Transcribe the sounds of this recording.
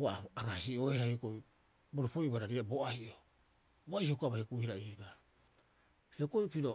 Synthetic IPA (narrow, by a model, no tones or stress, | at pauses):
aaɡasioeɾajokoj | boɾupojβaɾaɾiabo̞ʔahiʔo | boajokaβahekuhiɾaiba | heokojpiɾo